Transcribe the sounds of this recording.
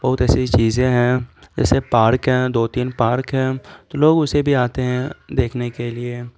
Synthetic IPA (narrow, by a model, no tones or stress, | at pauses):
bɐɦʊt̪ɛːsit͡ʃiːzẽɦɛ̃d͡ʒɛ̰ːsepaːɾkɦɛ̃ːd̪oːt̪iːnpaːɾkɦɛ̃ːt̪oloːɡʊsebʱiaːt̪eɦɛ̃d̪eːkʰnekelie